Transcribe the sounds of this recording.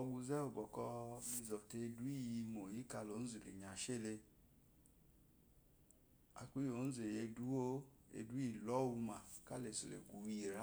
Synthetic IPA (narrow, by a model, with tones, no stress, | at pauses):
ɔ˧ɡu˧zɛ˦o˨bɔ˨kɔ˧mi˧zɔ˨te˧du˦i˦˨ji˧mo˨ji˨˦ka˧lo˨˦n̩˦zi˨lḛ˨ɲa˨ʃe˦˨le˧ | a̰˧kʷi˦o˨˦n̩˦ze˨e˧du˦o˦ | ḛ˧du˦i˨lɔ˦wu˧ma˨ka˦le˨so˨lḛ˨ɡʷu˨wi˦˨ɾa˦